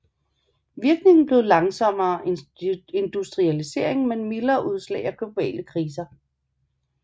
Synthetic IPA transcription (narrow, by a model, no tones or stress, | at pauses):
ʋiɐɡ̥ne̝ŋn̩b̥le̝ðˠlɑ̈ŋsɒ̽m̰ɐː | e̝nd̥usd̥ʁiælise̝̰ɐ̰e̝ŋmenmilɐːʔuð̞ˠslɛ̰ːɪæɡ̥lo̝b̥ɛ̰ːləkʰʁiːs̬ɐ